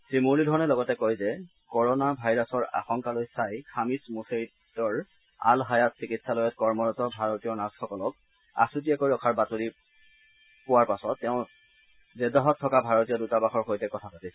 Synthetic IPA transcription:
tɹimulidʱɔɹɔnɛlɔɡɔtɛkojzɛ | kɔɹɔnabʱajɹasɔɹa̰xɔŋkalojsajkʰamismuseɹi | tɔɹ | a̰lɦajatsikitsalojɔtkɔɹmɔɹɔtɔbʱaɹotijɔnasxɔkɔlɔk̚ | a̰sut̬iakoɹiɔkʰaɹbatoli | pʊwaɹpasɔtːɛʊ̃ | zɛdaɦɔtʰːɔkabʱaɹɔtijɔdutabaxɔɹxojtɛkɔtʰapatisɛ

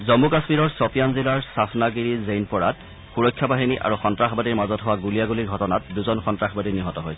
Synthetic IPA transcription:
zɔmukasmiɹɔɹsɔpijanzilaɹsapʰnaɡiɹizejnpɔɹat | xuɹɔjkʰːjabaɦiniʔa̰ɹuxɔntɹaxbadiɹmazɔtɦʊwaɡulijaɡuliɹɡʱɔtɔnat̚duzɔnxɔntɹaxbadiniɦɔtɔɦoj

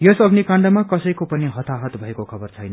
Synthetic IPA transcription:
jʌsʌɡnikãɳɖʌmakʌsʌjkopʌniɦʌt̪aɦʌt̪bʱʌekokʰʌbʌrt͡sʰʌjnʌ

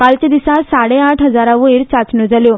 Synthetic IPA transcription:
kalt͡ɕed̪isãsaɽẽaʈʰɦəd͡zaɾaʋoiɾt͡sat͡snod͡zaljo

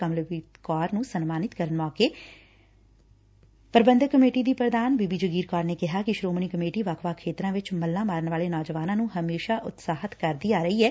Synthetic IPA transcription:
əmlʋiːt̪kɔːɾnũːsənmaːnɪt̪kəɾənmɔːkeː | pəɾbə̃nd̪əkːəmeːʈiːd̪iːpɾəd̪aːnbiːbiːd͡ʒəɡiːɾkɔːɾneːkɪɦaːkɪʃɾoːmɳiːkəmeːʈiːʋaːkʰʋaːkʰeːt̪ɾãːʋɪt͡ʃməlːãːmaːɾəɳʋaːleːnɔːd͡ʒəʋaːnãːnũːɦəmeːʃaːʔʊt̪saːɦət̪kəɾd̪iːaːɾəiːɦɛː

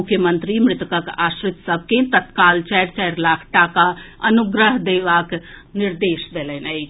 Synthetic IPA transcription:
ʊkʰjəmə̃nt̪ɾimɾɪt̪kəkaːsɾɪt̪səb̚ʱket̪ət̪kaːlt͡ʃɛjɾt͡ʃajɾlaːkʰʈakaənuɡɾəɦd̪eːʋaːknɪɾd̪eːʃd̪eːlɛnaj

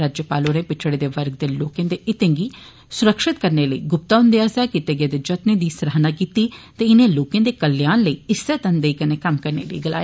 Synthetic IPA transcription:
ɾaːd͡ʒjəpaːloːnẽːpɪt͡ʃʰɽeːd̪eːʋəɾɡ̚d̪eːloːkẽːd̪eːʔɪt̪ẽːɡiː | sʊɾəkʃɪt̪kəɾneːləḭːɡʊp̚t̪aːɦʊ̃nd̪ejaːsaːkɪt̪ẽːɡẽd̪eːd͡ʒət̪nẽːd̪iːsəɾaːɦnãːkiːt̪iːt̪eːɪnẽːloːkẽːd̪eːkəlːjaːnləiːɪseːt̪ənd̪eiːkənẽːkəmkəɾnḛːləḭɡəla̰ːjeː

